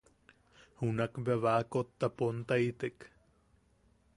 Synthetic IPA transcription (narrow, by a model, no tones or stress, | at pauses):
hunakbeβakot̪ːapont̪ait̪ek